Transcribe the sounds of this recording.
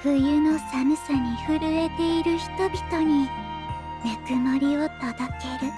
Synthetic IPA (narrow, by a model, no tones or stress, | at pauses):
ɸɯ̟jɯno̞samɯ̟saɲ̟iɸɯɾɯ̟e̞t̪e̞iɾɯ̟çi̥t̪o̞bʲit̪o̞ɲ̟i | nakɯ̟maɾʲio̞t̪ad̪ake̞ɾɯ̟